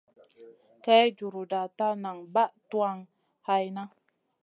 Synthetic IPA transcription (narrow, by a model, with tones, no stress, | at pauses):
ka˦jd͡ʒu˨ɾu˨da˨ta˦na˨ŋba˦ʔtu˦a˦ŋ | ha˧jna˦